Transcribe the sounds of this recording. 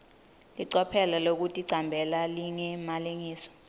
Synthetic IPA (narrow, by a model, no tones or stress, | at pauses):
liǀɔpʰɛlalok̬utʼiǀambʱɛlaliŋɛmaleŋiːsɔ̥